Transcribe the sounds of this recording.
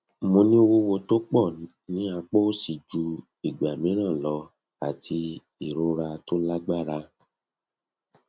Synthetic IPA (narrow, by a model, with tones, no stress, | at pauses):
mõ˧nĩ˦o˦˧wo˦wo˧to˦k͡pɔ˦˨ | nĩ˨˦a˧k͡po˦si˨d͡ʒu˧ | i˨ɡ͡ba˨mĩ˨˦ɾ̃ã˦˨lɔ˧ | a˨ti˧ | i˦˨ɾo˦ɾa˧to˦la˦ɡ͡ba˦˨ɾa˧˦